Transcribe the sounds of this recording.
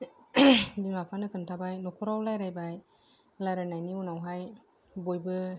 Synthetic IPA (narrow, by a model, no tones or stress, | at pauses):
bimapʰanɯkʰɯntʰabajnɔkʰɔɾawlajɾajbaj | laɾɯnajniunawɦaj | bojbɯ